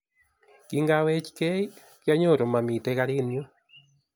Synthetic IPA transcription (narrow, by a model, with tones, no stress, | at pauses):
kiŋɡawɛ˦t͡ʃi̥kɛ˦i | kja˦ɲo˦˨ɾo˨ma˨mi˨tɛɣaɾinjo˦